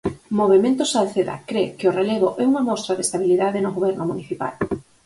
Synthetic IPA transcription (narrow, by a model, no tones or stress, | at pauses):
moβ̞emẽnt̪ʊsaðθeða̰kɾekɪoreleɣoʔɛuŋɐmɔst̪ɾaðest̪aβ̞iliðaðɪnoɣoβɛɾnʊmuniθipa̰l